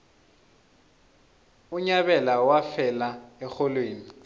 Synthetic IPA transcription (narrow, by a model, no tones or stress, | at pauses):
uɲaβɛlawafɛlaɛxɔlweːni